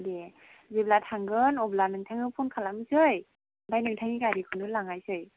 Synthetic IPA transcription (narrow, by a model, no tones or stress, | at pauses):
de | zeblatʰaŋɡɯnɔblanɯŋtʰaŋɯpʰunkʰalamɯsɯj | bajnɯŋtʰaŋiɡaɾikʰɯnɯlaŋajsɯj